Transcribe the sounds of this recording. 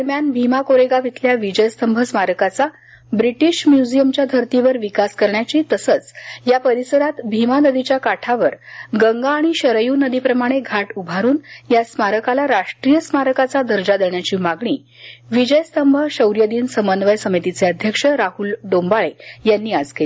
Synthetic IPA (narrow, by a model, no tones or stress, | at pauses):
əɾmjanbʱimakoɾeɡaʋit̪ʰljaʋid͡ʑəjst̪əmbʱəsmaɾəkat͡sa | bɾiʈiɕmjud͡ʑijəmt͡ɕjad̪ʱəɾt̪iʋəɾʋikaskəɾɳjat͡ɕiːt̪əsət͡sjapəɾisəɾat̪bʱimanəd̪it͡ɕjakaʈʰaʋəɾɡəŋɡaːɽ̃iɕəɾəjuːnəd̪ipɾəmaɽ̃eɡʱaʈubʱaɾuːnjasmaɾəkalaɾaʂʈɾijəsmaɾəkat͡sad̪ʱəɾd͡zad̪eɳjat͡ɕiːmaɡɳ̃iː | ʋid͡ʑəjəst̪əmbʱəɕəwɾjəd̪iːnsəmənʋəjsəmit̪it͡seəd̪ʱjəkʂəɾaɦuːlɖombaɭejanːiːad͡zkeli